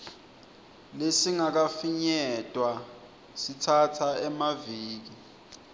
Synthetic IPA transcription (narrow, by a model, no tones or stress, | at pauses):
lesiŋak̬afiɲɛtʼwa | sitʰatʰaɛmaviːk̬i